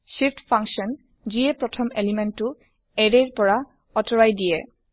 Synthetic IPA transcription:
siftpʰaŋksɔn | ziɛpɹɔtʰɔmelimɛntːʊ | ɛɹɛɹpɔɹa | ɔtɔɹajdijɛ

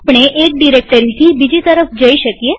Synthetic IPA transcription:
pɽ̃eʔek̚ɖiɾek̚ʈəɾit̪ʰibid͡ʒit̪əɾəfd͡ʒəiʃəkije

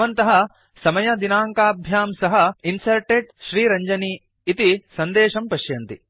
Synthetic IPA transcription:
ɐnt̪ɐɦɐ̆ | sɐmɐjɐd̪inaːŋkaːbʱjaːmsɐɦɐinsɐɾʈeɖ̚ʃɾiːɾɐɲd͡ʒɐniː | t̪isɐnd̪eːʃɐmpɐʃjɐnt̪i

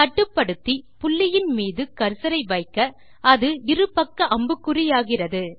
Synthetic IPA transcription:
t̪ɐʈːɯpːɐɽɯt̪ːipʊlːɪjɪnmiːðɯkɐɾsɐɾɐɪʋɐɪkːɐ | ɐðɯɪrɯpɐkːɐʔɐmbɯkːɯrɪjaːɣɪrɐðɯ

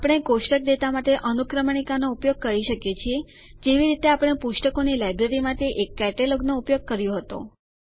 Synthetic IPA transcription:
apɽ̃ekoʃʈək̚d̪et̪amaʈeʔənukɾəmɳ̃ikanoupjoɡ̚kəɾiʃəkjet͡ʃʰie | d͡ʒeʋiɾit̪eapɽ̃epuʃʈəkonilajbɾeɾimãʈ̪eʔekːɛʈeloɡnoupjoɡ̚kəɾjõɦət̪o̰

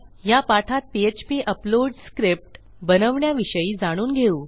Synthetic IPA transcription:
japaʈʰat̪̚piet͡ɕpiːʔəploɖskɾip̚ʈ | bənəʋɳjaʋiɕəiːd͡zaɽ̃uːnɡʱeuː

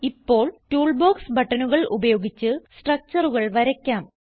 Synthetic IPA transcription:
ipːo̞ːɭtuːɭboːksbɐʈːɐnuɣɐɭṵbɐjo̞ːɡit͡ɕːɨsʈrɐk̚t͡ɕɐruɣɐɭʋɐɾɐkʲːaːm

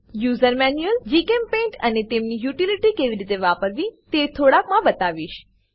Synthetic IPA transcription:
juːzəɾmɛːnuəld͡ʒiːkẽːmpẽːɳʈɐnet̪eːmnijuːʈiliʈɾikeːʋɪɾit̪eʋaːpəɾʋĩt̪eːt̪ʰoːɽaːkmãbɐt̪aːʋiːʃ

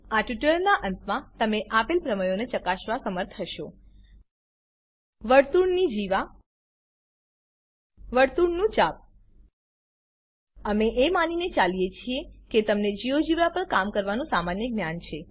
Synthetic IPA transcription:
aʈjuʈələɾnaʔənt̪mãt̪əmeʔapelpɾəməjonet͡ʃəkaʃʋasəməɾt̪ʰɦəʃo | ʋəɾt̪uɳnid͡ʒiʋa | ʋəɾt̪uɳnũt͡ʃap̚ | əmeʔemaninet͡ʃalijet͡ʃʰieket̪əmned͡ʒiʋod͡ʒiʋapəɳkamkəɾʋanũsamanjəɡnjant͡ʃʰe

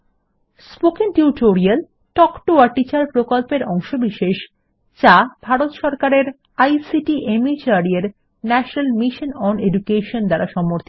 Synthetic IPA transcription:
spokiŋʈuuʈoɾial | ʈɔkʈoaɾʈit͡ɕaɾpɾokolpeɾɔŋʃobiʃeʃ | t͡ɕab̥ʱaɾot̪ʃɔɾkaɾeɾ | ajsiʈiʔemit͡ɕaɾieɾ | nɛʃonalmiʃonɔnedukeʃond̪aɾaʃɔmoɾt̪ʰi

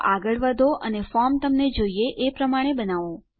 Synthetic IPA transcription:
ʔaɡəɭʋəd̪ʱoʔənefɔɾmt̪əmned͡ʒoieʔepɾəmaɽ̃ebənaʋo

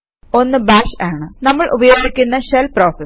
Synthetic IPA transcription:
o̞nːɨbaːʂaːɳɨnɐmːɐɭʔubɐjoːɡikʲːunːɐɕelpro̞ːsɐ

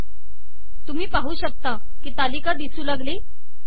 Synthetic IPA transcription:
t̪um̤iːpaɦuːɕək̚t̪a | kiːt̪alikad̪isuːlaɡle

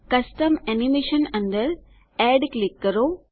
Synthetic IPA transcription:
kɐsʈɐmenimeːʃɐnɐnɖ̪ɐɾ | eːɖklikːɐɾoː

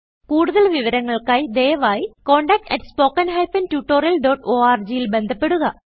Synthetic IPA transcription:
kuːɽuðɐɭʋiʋɐɾɐŋːɐɭkaːjd̪eːjɐʋaːjiko̞ːɳɖɐk̚ʈɐ̰ʈːspo̞ːkːɐnɦɐjfɐntuʈːo̞ːɾijɐlɖoːʈoːaːrd͡ʑijilbe̞nd̪ʱɐpːe̞ɽuɣɐ

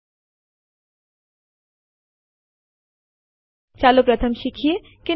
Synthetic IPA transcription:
t͡ɕalopɾat̪ʰamʃikʰieke

